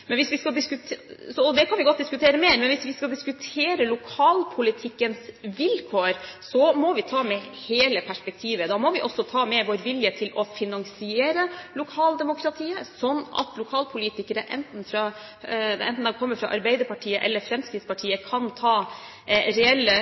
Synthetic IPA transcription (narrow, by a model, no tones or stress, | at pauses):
mɛnʋɪsʋɪskɑld̪ɪskʉt̪sɔɔd̪ɛkʰɑnʋɪɡɔt̪̚d̪ɪskʉt̪ʰeːɾəmeːɾmɛnʋɪsʋɪskɑld̪ɪskʉt̪ʰeːɾəlʊkʰɑːlpʰʊlɪt̪ʰɪkːənsʋɪlkʰoːɾsɔmɔʋɪt̪ʰɑːmɛheːləpʰæʂpɛk̚t̪ʰiːʋəd̪ɑːmɔʋɪʔɔsːɔt̪ʰɑːmɛʋoːɾʋɪljət̪ʰɪlɔfɪnɑŋsɪeːɾəlʊkʰɑːld̪ɛmʊkʰɾɑt̪ʰiːəsɔnːɑ̰t̪ʰlʊkʰɑːlpʰʊliːt̪ɪkəɾəʔɛnt̪n̩fɾɑ | d̪ɛnt̪n̩d̪ɛkʰɔmːəɾfɾɑ̰ʔɑ̰ɾbɛɪd̪əɾpɑʈʰiːəʔɛ̰lːəɾfɾɛmskɾɪːt̪spɑʈʰiːəkʰɑnt̪ʰɑː | ɾɛɛlːə